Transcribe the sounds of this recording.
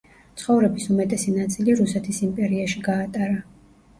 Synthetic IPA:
t̪sʰχɔvɾɛbisumɛt̪ʼɛsinat̪sʼiliɾusɛt̪ʰisimpʼɛɾiaʃiɡaːt̪ʼaɾa

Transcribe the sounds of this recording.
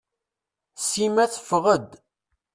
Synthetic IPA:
simæθə̥fʁəd̪

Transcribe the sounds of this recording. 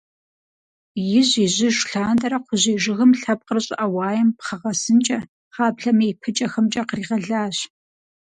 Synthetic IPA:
jɪʑɪʑɪʒɬaːndɐɾɐqʷʊʑiːʒɪɣɨmɬɐp̚qərɨɕʼɐ̰ʔɐwɑːjɛmpχɐʁɐsɨnt͡ʃʼɐ | χɑːpɬɐmejpʰɨt͡ʃʼɐxɐmt͡ʃʼɐqriːʁɐɮaːɕ

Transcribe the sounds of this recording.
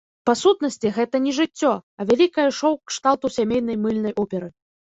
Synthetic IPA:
pasut̪n̪ɐsʲt͡sʲiɣɛt̪ɐnʲɛʐɨt͡sʲːɔɐvʲalʲikɐjɐʂɔwkʂt̪awt̪usʲamʲejn̪ɐjmɨlʲnɐjʔɔpʲɛɾɨ

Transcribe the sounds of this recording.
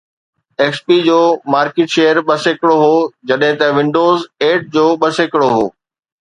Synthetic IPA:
eːkspid͡ʑoːmaːɾkeːʈʃeːjəɾɓɐsekɪɽoɦoːd͡ʑɐɗɦɪ̃t̪ɐʋɪ̃ɳɖoːzeːʈ̚d͡ʑoːɓɐsekɪɽoɦo̰ː

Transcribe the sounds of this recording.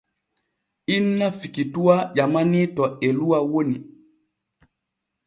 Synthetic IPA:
inːafikituaʄamanitɔeluwawoni

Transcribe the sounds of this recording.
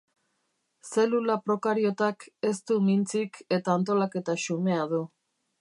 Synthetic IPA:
se̞lulapɾo̞kaɾio̞t̪ake̞st̪umint͡sike̞t̪aːnt̪o̞lake̞t̪aʃume̞að̞u

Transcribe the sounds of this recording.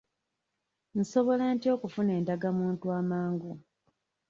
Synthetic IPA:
n̩so̞βo̞lantio̞ːkufune̞ːndaɡamuːntuaːmaːŋɡu

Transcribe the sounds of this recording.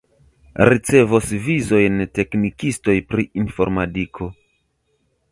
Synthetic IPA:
ɾit͡se̞vosvizo̞jnte̞knikisto̞jpɾiʔinfo̞̰ɾmatikʰo̞

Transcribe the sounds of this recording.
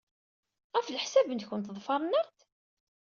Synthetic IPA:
ʁæfləħsæbənt̪çənt̪ðˤfɑɾˤnæɾt̪

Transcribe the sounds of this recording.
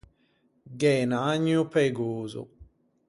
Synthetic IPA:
ɡɛːnaaɲːupeɡuːzṵ

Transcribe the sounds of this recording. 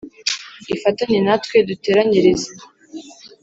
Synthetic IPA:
ifatanenatwedute̞ːɾaɲiɾeze

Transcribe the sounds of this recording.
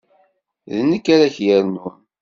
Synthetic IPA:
ðənːəkːaɾaçjəɾnun

